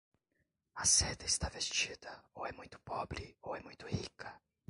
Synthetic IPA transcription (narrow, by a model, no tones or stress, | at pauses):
ɐsed̪ɐɪst̪avest͡ʃid̪ɐowɛmũj̃t̪ʊ̥pɔbɾɪowɛmũj̃t̪ʊhikʰɐ